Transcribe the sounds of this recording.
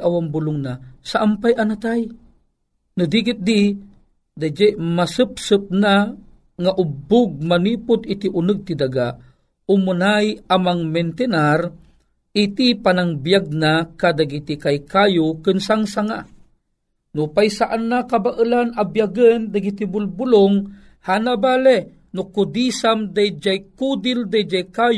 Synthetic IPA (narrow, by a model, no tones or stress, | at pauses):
awambulʊŋnasaʔampajanat̪aj | nud̪iɡɪt̪̚d̪i | d̪ad͡ʒɛʔmasɨp̚sɨp̚na | ŋaʔʊbʊɡ̚manipʊd̪it̪iʔʊnɨɡ̚t̪id̪aɡaʔ | ʊmunajamaŋment̪ɛnar | ʔit̪ipanaŋbjaɡ̚nakad̪aɡit̪ikajkajʊkɨnsaŋsaŋaʔ | nʊpajsaʔanːakabaʔəlanabjaɡənd̪aɡit̪ibʊlbʊloŋ | hanabalɛ | nʊkʊd̪isamd̪ajd͡ʒajkud̪ɪld̪ajd͡ʒajkaj